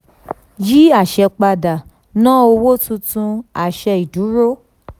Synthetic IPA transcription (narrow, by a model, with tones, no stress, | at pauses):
ji˦a˦˨ʃɛ˧k͡pa˧da˨ | nã˦o˧wo˦tũ˧tũ˧a˨ʃɛ˧i˨dũ˨˦ɾo˦